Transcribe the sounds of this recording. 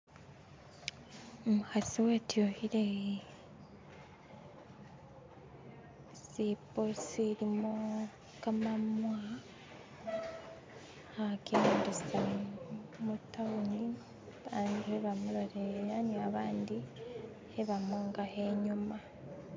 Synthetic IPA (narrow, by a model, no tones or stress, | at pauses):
omuxasiweːtjohiɾe | siposiɾimo | kamamwe | hakendissa | mutːawuɲi | βaːndieβamuloɾeɾaniaβaːndi | eβamuːŋɡahe̞ɲuma